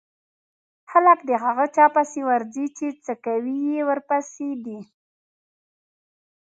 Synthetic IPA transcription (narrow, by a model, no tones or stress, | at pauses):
xaləkd̪əɦaɣət͡ʃɑpasewaɾzit͡ʃet͡səkawijewəɾpased̪i